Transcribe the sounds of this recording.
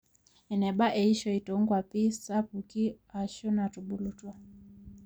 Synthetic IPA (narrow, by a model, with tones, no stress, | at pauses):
ɛ˨nɛ˨ɓa˦ʔɛ˨i˦ʃɔ˨i˨tɔ˦ŋɡwa˨pi˦sa˦puki˦ | a˨ʃɔ˦na˨tuɓu˨lu˨twa˦